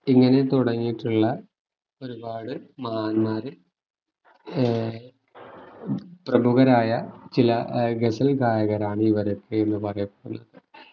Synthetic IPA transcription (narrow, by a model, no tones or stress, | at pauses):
iŋːɐne̞t̪uɽɐɲːiʈːuɭːɐ | o̞ɾubaːɽɨmaːnːaːɾɨ | prɐmuɣɐɾaːjɐt͡ɕilɐɡesɐlɡaːjɐɣɐɾaːɳɨiʋɐɾokʰːeenːɨpɐrɐjɐpːe̥ɽṵnːɐðɨ